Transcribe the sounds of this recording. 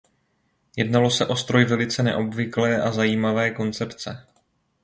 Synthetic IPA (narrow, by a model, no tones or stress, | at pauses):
jɛdnalo̞sɛʔo̞st̪ɾo̞jvɛlɪt͡sɛnɛ̰ʔo̞bvɪklɛːʔazajiːmavɛːko̞nt͡sɛpt͡sɛ